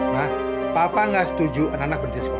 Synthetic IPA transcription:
nah | papaŋɡasə̥t̪ud͡ʒuʔənanak̚bədit̪asə̥ko

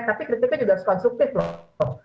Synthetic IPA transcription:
t̪apikɾit̪ɪk̚t̪ud͡ʒuɡaskɔnst̪ɾuk̚t̪ɪflɔ

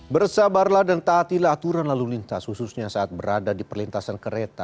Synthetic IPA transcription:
bərsabarlahdant̪aːt̪ilaɦːt̪uɾanlalulint̪ashususɲasaʔat̪̚bəɾadadipərlint̪asankəɾet̪a

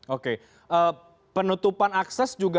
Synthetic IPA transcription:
oke | ə | pənut̪upanaksɛsd͡ʒuɡa

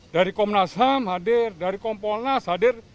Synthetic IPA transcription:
daɾikɔmnasɦamɦadɪrdaɾikɔmpɔlnashadɪr

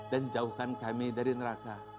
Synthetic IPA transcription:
dand͡ʒauhkankamedaɾinɾaka

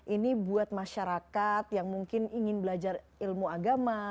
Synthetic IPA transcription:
ʔinibuat̪̚maʃaɾakat̪̚jaŋmuŋkɪniŋɪnbəlad͡ʒar | ilmuaɡama

